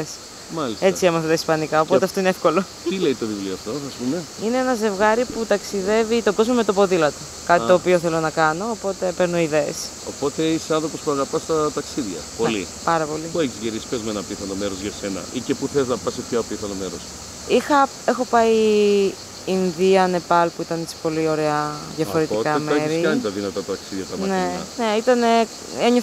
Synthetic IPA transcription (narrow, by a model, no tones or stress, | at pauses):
es | mɐlise̞t͡siemɐθɐt̪ɐispɐnikɐo̞po̞eɐft̪oineefko̞lo̞ | t̪ileit̪o̞ðivlioɐft̪o̞ɐspume | ineenɐze̞vɣɐɾiput̪ɐksiðe̞vit̪o̞ɡo̞zmome̞t̪opo̞ðilɐt̪o | kɐt̪it̪o̞ːpio̞θe̞lo̞nɐkɐno̞ːpo̞t̪e̞peɾnuiðe̞ːs | opo̞t̪e̞iseɐnθɾopospuɐɣɐpɐst̪ɐt̪ɐksiðʝɐ̰po̞lḭpɐɾɐpo̞lipueçizʝiɾispezmenɐpiθɐnomeɾo̞zʝɐse̞nɐ̰ʔicepuθeznɐpɐsipçopiθɐnomeɾos | ixɐ | exo̞pɐi | nðiɐne̞pɐlpuit̪ɐnet͡si̥po̞lio̞ɾeɐðʝɐfo̞ɾet̪ikɐmɾiɐnit̪ɐðinɐt̪ɐɐt̪ːksiðjʝɐt̪ɐmɐneɐ̰neit̪ɐne̞ | eɲo